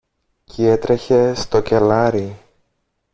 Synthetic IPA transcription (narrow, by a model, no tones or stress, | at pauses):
cʰie̞t̪ɾe̞çe̞st̪o̞ce̞lɐɾi